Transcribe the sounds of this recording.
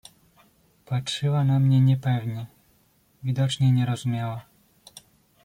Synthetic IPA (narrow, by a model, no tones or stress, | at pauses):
patʂɘwanamɲɛɲɛpɛvɲɛ | vʲid̪ɔt͡ʂɲɛɲɛɾɔzumʲjawa